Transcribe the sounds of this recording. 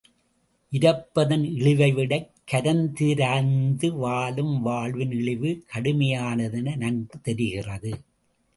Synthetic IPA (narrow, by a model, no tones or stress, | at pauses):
ʔɪɾɐpːɐðɐnɪɭɪʋɐɪʋɪɽɐɪkːɐɾɐnd̪ɪɾaːnd̪ɯʋaːlɯmʋaːɭʋɪnɪɭɪʋɯkʰɐɽɯmɐjaːnɐðɐnɐnɐnɡɯt̪ːɛɾɪɣɪrɐðɯ